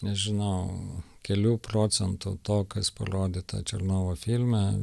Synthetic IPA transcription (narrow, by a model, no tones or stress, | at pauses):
nʲɛʒʲɪnɐʊ | kʲɛlʲuːpɾoːsʲɛnt̪ʊt̪oːkɐspɐ̰ɾoːd̪ʲɪːt̪ɐ̰t͡ʃʲɛɾnoːʋoːfʲilʲmʲɛ